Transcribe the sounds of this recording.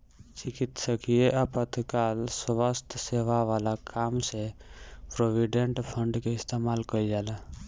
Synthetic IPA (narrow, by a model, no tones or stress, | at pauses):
t͡ʃɪkit̪səkijeʔəpət̪ʰkalsʋəst̪ʰseʋaʋaːlakʰaːmsepɾoʋiɖeɳʈpʰəɳɖkeɪst̪emaːlkəid͡ʒaːla